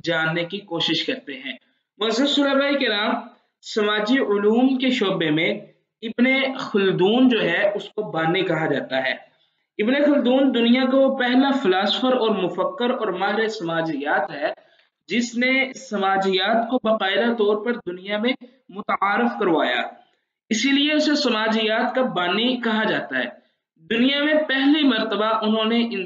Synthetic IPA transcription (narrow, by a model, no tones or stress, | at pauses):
d͡ʒaːnːekikoːʃɪʃkɐɾt̪eɦɛ̃ː | mʊzəsʊːlabaːikɪɾaːm | sɐmaːd͡ʒiʊluːmkeʃoːbemẽ | ɪbnexʊld̪uːnd͡ʒoːɦɛʔʊskobaːnekɐɦad͡ʒaːt̪aɦɛ̰ː | ɪbnexʊld̪uːnd̪ʊnijakopɛɦlafɪlaːsəfəɾɔːɾmʊfəkːəɾɔːɾmaːɦɾesɐmaːd͡ʒɪjaːt̪ɦɛː | d͡ʒɪsnesɐmaːd͡ʒɪjaːt̪kobɐqaːɪd̪at̪ɔːɾpɐɾd̪ʊnijamẽ | mʊt̪aːɾɪfkɐɾʋaːja̰ː | ɪsilieʊsesɐmaːd͡ʒɪjaːt̪kabaːnikɐɦad͡ʒaːt̪aɦɛ̰ː | d̪ʊnijamẽpɛɦlimɐɾt̪əbaʔʊnɦõneʔɪ̃n